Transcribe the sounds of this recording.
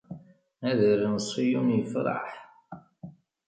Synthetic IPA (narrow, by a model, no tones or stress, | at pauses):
æðəɾnsˤːijumjəfɾˤɑ̰ħ